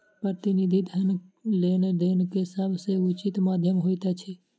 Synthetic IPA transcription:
pɾət̪inid̪ʱit̪ənlened̪enkesəbʱseʊt͡ʃit̪maːd̪ʱjəmɦojt̪at͡ʃʰɛ

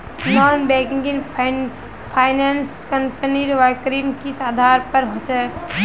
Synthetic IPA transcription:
nɔːnbɛ̃ːkɡɪŋ | pʰaːɪnaːnskəmpəniɾʋakɾimkisaːd̪ʱaːɾpəɾɦot͡ʃɛ

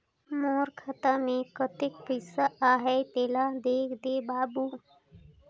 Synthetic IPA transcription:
moːɾkʰət̪amẽkət̪ɪk̚pəsaaːɦɛt̪eːlad̪eːkʰd̪eːbaːbu

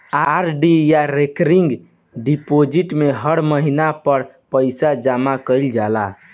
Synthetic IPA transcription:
aɾɖijaɾekɾiŋɡ | ɖipod͡ʒiʈmeɦəɽməɦinapəɾ | pəjsad͡ʒamakəjld͡ʒala̰

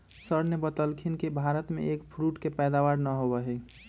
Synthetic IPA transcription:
səɾnebət̪əlkʰinkebʱaɾət̪mḛʔekpʰɾuʈkepɛjd̪abaɾnəɦobəɦɛ

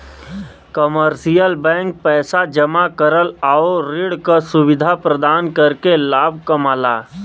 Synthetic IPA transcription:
kəməɾsijəlbɛ̃ːŋk̚pɛːsad͡ʒəmakəɾəlaːoɾɪɽkasʊʋɪd̪ʱapɾəd̪aːnkəɾkelaːb̚ʱkəmaːlaː

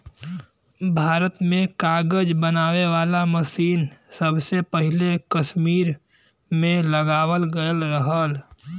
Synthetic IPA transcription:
bʱaːɾət̪mẽkaːɡəd͡ʒbənaːweʋaːlaməsiːnsəbsepəɦɪlekəʃmiːɾ | mẽləɡaːwəlɡəəlɾəɦəl

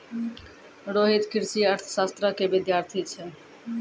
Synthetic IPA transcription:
ɾoːɦiːt̪kʰɪɾsiːəɾt̪ʰsaːst̪ɾaːkeːʋɪd̪jaːɾt̪ʰiːt͡ʃʰɛ

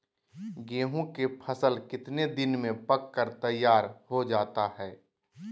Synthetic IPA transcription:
ɡeːɦõkepʰəsəlkɪt̪ned̪ɪnmẽpəkːəɾt̪əjːaːɾhod͡ʒaːt̪aɦɛː

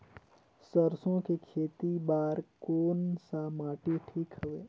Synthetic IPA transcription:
səɾsõkekʰeːt̪ibaːɾkoːnsamaːʈiʈʰiːkɦəʋeː

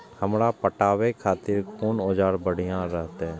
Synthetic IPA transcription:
həmɾapəʈaːʋekʰaːt̪ɪɾkoːnoːd͡ʒaːɾbəɽ̤ijãɾəɦt̪eɦɛ̃ː

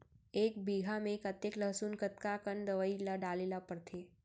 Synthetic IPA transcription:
eːk̚biːɡʱamẽkət̪ekləɦsuːnkət̪kakənd̪əʋəilaɖaːlelapəɾt̪ʰeː

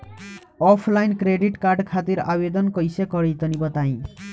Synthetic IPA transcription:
ɔpʰlajnkɾeɖiʈkaɾɖkʰat̪iɾa̰bed̪ɔnkɔjsekɔɾit̪ɔnibɔt̪aj̃

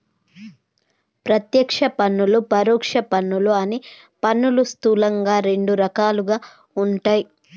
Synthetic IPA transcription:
pɾɐt̪jɐkʂɐpɐnːulupɐɾuːkʂɐpɐnːuluɐni | pɐnːulust̪uːlɐŋɡaːɾe̞ɳɖuɾɐkaːluɡaː | uɳʈaːji

